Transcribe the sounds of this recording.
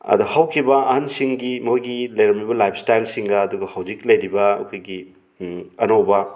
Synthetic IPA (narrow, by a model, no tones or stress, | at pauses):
ɐ̰d̪uhawkʰibɐɐhansiŋɡimojɡilɐjɾɐmibɐlajpʰstajlsiŋɡɐːduɡɐhawd͡ʒik̚lɐjɾibɐɐ̰kʰojɡi | ɐnowbɐ